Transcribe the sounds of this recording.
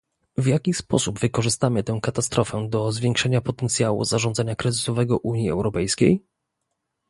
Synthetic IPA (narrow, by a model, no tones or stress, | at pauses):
vjakʲispɔ̰subvɘkɔʐɘst̪amɘt̪ɛ̃w̃kat̪ast̪ɾɔfɛd̪ɔzvʲjɛŋkʂɛɲapɔt̪ɛnt̪sʲjawṵzaʐɔ̃nd̪aɲakɾɛzɘsɔvɛɡɔʔuɲjiɛ̰wɾɔpɛjskʲej